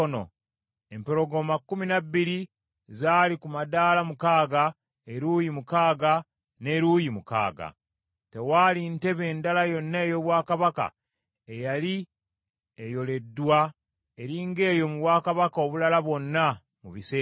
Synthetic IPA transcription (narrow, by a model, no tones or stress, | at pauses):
ono̰ | e̞mpe̞ɾo̞ɡo̞makːuminabːiɾi | zaːlikumadaːlamukaːɡa | eɾuːjimukaːɡa | ne̞ɾujimuka̰ːɡa̰ | te̞waːlinte̞βe̞ːndalajo̞nːe̞ːjo̞βwaːkaβaka̰ | ejali | ejo̞le̞dːwa | eɾiŋɡe̞ːjo̞muβwaːkaβakao̞βulalaβwo̞nːa | muβise